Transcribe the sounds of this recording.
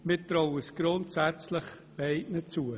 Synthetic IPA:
mɪt̪ɾɔwəsɡ̥ɾʊntsæt͡slɪχ | ɛɪtnət͡suə

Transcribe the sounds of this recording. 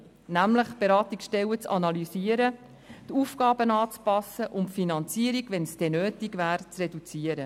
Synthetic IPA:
næmləχb̥eɾɑːtiksʃtɛwət͡sɑ̰nɑlyziəɾə | t̪uːfɡ̥ɑːbənɑːt͡spɑsəʔʊnfinɑnt͡siəɾiɡʋɛnsd̥ɛnøːtiɡvæːɾt͡srɛdut͡siəɾə

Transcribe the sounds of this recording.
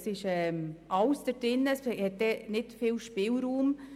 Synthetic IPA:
sɪʃɛːmʔɑwsd̥əɾd̥ɪnːəshɛt̚dɛːnɪtfɪːlʃpɪːlɾuːm

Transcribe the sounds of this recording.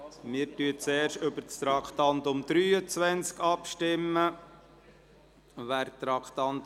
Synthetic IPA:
mɪːɾtyːət͡sɛːɾʃtʏbəɾt͡st̪ɾɑkχt̪ɑnt̪ʊmd̪̥ɾyːət͡sʋɛnt͡skɑpʃtɪmːə | ʋæːɾt̪ɾɑkχt̪ɑnt̪

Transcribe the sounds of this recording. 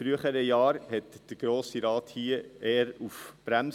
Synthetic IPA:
fɾyəχəɾəjɑːɾhɛtd̥əɾɡ̥ɾoːsiɾɑːthiːəeːəɾufb̥ɾæm

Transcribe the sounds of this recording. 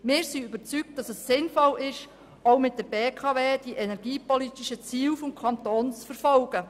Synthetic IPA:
mɪːɾsiybəɾt͡syk̚t̚d̥ɑsəsːɪnfɔlɪʃ | oʊmɪtdɛɾbeːkʰɑveːd̥iʔɛnɛɾɡiːpɔlit̪iʃət͡siːwfɔmkʰɑnt̪oːnt͡sfəɾfɔlɡ̥ə

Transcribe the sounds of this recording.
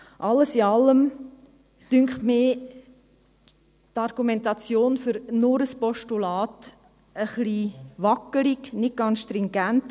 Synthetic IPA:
ʔɑlːəsiɑlːəm | tʏŋkχmɪː | tɑɾɡ̥umɛntɑt͡sjoːnfʏɾnʊɾəspɔʃtulɑːt | əχliʋɑkəliknɪt̚ɡ̥ɑnsʃt̪ɾiŋɡænt

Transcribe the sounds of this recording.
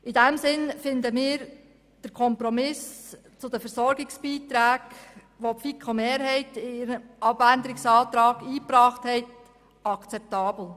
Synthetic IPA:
ɪdɛmsɪnfɪndəmɪːɾ | d̥əɾkʰɔmpɾomɪs | t͡sʊd̥əfəɾsɔɾɡɪksb̥iːt̪ɾæːɡ | ʋopfikʰomeːɾhɛɪtɪɾəʔɑbændəɾɪksɑːt̪ɾɑːɡiːpɾɑːχthɛɪt | ɑkt͡sɛp̚tɑːbl̩

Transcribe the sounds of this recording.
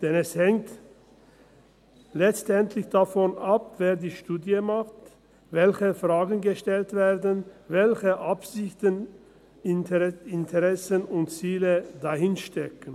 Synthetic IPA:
d̥ɛnɛshɛŋt | lɛt͡stɛntʰlɪçd̥afɔnapv̥eːɐdiːʃtuːdjəmaχt | vɛlçəfʁ̥aːɡn̩ɡəʃtɛltv̥eːɐdənvɛlçəʔapz̥ɪçtən | ɪntʰəʁɛsənʊntt͡siːlədahɪnʃtɛkən̩

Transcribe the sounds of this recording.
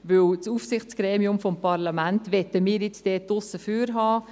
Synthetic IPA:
ʋøwt͡suːfsɪχt͡sɡ̥ɾeːmiʊmfɔmpʰɑɾlamæntʋɛtəmiːɾjɪt͡sd̥ɛːdʊsəfyːɾɦɑː

